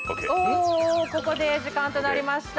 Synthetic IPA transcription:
oːko̞ko̞d̪e̞ʑikãnt̪o̞naɾʲimaɕi̥t̪

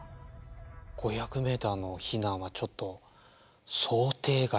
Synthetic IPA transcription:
ɡ̥o̞çakɯ̟me̞ːt̪aːno̞çinãɰ̃βat͡ɕo̞t̪ːo̞ | so̞ːt̪e̞ːɡa

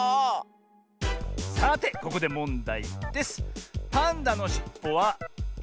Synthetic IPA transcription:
sat̪e̞ko̞ko̞d̪e̞mõ̞nd̪aid̪̥e̞sɨ̥pãnd̪ano̞ɕi̥pːo̞βa

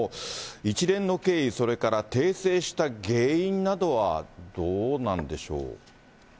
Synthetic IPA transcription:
it͡ɕiɾẽ̞nːo̞ke̞ːiso̞ɾe̞kaɾat̪e̞ːse̞ːɕi̥t̪aɡe̞ːĩnnad̪o̞βad̪oːnãnd̪e̞ɕo̞̰ː

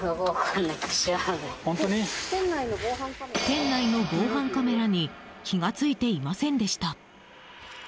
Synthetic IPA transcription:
oɡokʰanːake̥ɕianehont̪o̞ɲ̟it̪ẽnːainoɡoːhãŋkat̪ẽ̞nːaino̞ɡo̞ːɦãŋkame̞ɾaɲ̟i | kʲʰiɡat͡sɨit̪e̞imasẽ̞nd̪e̞ɕi̥t̪a

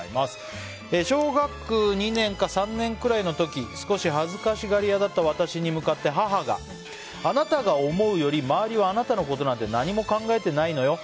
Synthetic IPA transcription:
imasɨ̥ | eɕo̞ːɡakːɯ̟ɲ̟inẽ̞ŋkasãnːẽ̞ŋkɯ̟ɾaino̞t̪o̞kʲisɨ̥ko̞ɕiɦazɨkaɕiɡaɾʲijad̪at̪ːaβ̞at̪aɕiɲ̟imɯ̟kat̪ːe̞ɦaɦaɡa̰ | anat̪aɡao̞mo̞ɯ̟jo̞ɾʲimaːɾʲiβaːnat̪ano̞ko̞t̪o̞nãnt̪e̞naɲ̟imo̞kãŋɡae̞t̪e̞naino̞jo̞

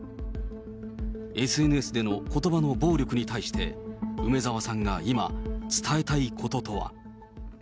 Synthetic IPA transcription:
e̞sɨe̞nɯ̟e̞sɨd̪e̞no̞ko̞t̪o̞bano̞bo̞ːɾʲo̞kɯ̟ɲ̟it̪aiɕi̥t̪e̞̰ɯ̟me̞zaβasãŋɡaima̰t͡sɨ̥t̪ʰae̞t̪aikʰo̞t̪o̞t̪o̞βa̰

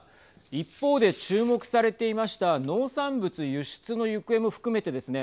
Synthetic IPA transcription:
ipːo̞ːd̪e̞t͡ɕɨːmo̞kɯ̟̥saɾe̞t̪e̞imaɕi̥t̪ano̞ːsãmbɯt͡sɨjɯɕi̥t͡sɨno̞jɯkɯ̟e̞mo̞ɸɯ̟̥kɯ̟me̞t̪e̞d̪e̞sɨne̞

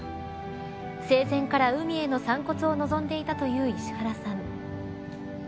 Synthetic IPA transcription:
se̞ːsẽ̞ŋkaɾaɯ̟mʲie̞no̞sãŋko̞t͡sɨo̞no̞zõ̞nd̪e̞it̪at̪o̞jɯ̟ːiɕi̥haɾasãŋ

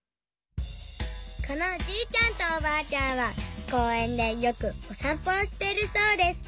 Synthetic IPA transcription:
ko̞no̞d͡ʑiːt͡ɕʲãnt̪oːbaːt͡ɕãɰ̃βako̞ːẽ̞nd̪e̞jo̞kɯ̟osãmpoːɕi̥t̪e̞ɾɯ̟so̞ːd̪e̞sɨ̥

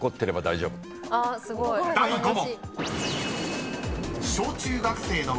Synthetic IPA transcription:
ko̞t̪ːe̞ɾe̞bad̪aiʑo̞ːbɯ | ɡd̪ad̪omo | ɕo̞ːt͡ɕɨːɡakɯ̟̥se̞ːno̞

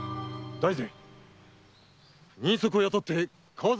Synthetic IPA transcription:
d̪aize | ɲ̟ĩsokɯojot̪ot̪ːe | kʰoːz

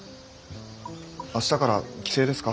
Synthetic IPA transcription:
aɕi̥t̪akaɾakʲi̥se̞ːd̪e̞sɨ̥ka

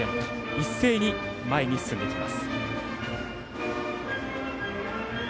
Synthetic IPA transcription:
e | isːe̞ːɲ̟i | maeɲ̟isɨ̥sɨ̃nd̪e̞kʲimasɨ̥

